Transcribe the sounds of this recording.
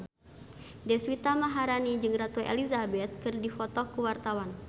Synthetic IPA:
dɛswit̪amaɦaɾanid͡ʒɨŋrat̪uḛlizabɛt̪̚kɨrdifɔt̪ɔkuwart̪awan

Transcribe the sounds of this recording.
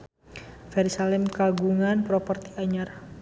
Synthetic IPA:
fɛɾisalɛmkaɡuŋanpɾopərt̪iaɲar

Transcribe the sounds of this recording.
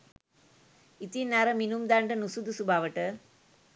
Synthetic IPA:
it̪ːinaːɾɐminumd̪aːɳɖɐnusud̪usubaːʋɐʈːɐ

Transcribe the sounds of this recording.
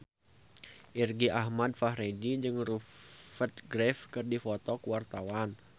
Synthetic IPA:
ʔirɡiʔahmad̚fahɾedid͡ʒɨŋrufət̪̚ɡɾɛfkɨrdifɔt̪ɔkuwart̪awan

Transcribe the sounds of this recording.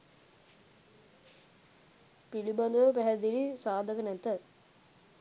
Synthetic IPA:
pilibɐnd̪ɐopɛɦɐd̪ilisaːd̪ʱɐkɐnent̪ɐ

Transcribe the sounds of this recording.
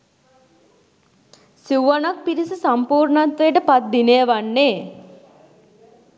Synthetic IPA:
siwʋanak̚piɾisusampuːɾɳat̪ʋejəʈəpat̪̚d̪inejəʋanːeː

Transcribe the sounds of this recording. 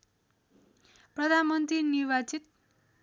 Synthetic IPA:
prʌd̪ʱanmʌnt̪rinirbat͡sit̪̚

